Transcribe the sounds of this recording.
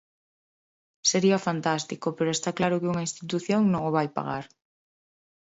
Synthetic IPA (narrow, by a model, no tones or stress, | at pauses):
seɾiɐfant̪ast̪ikopeɾoest̪aklaɾʊkɪuŋaĩnst̪it̪uθjoŋnõŋoβ̞ajpa̰ɣa̰ɾ